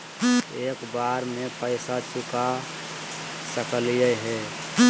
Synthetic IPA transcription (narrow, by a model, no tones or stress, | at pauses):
eːkbaɾmepəɪsat͡ʃʊka | səkəlijəɦɛ